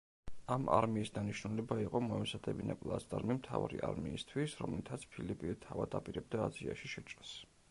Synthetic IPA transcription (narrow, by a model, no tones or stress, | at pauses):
ama̰ɾmiːsd̪aniʃnulɛbaiqʼɔmɔɛzad̪ɛbinapʼlˠast̪ʼaɾmimt̪ʰavaɾḭʔaɾmiːst̪ʰwisɾɔmlit̪ʰat̪sʰpʰilipʼit̪ʰavad̪apʼiɾɛb̚d̪aːziaʃiʃɛt͡ʃʼɾas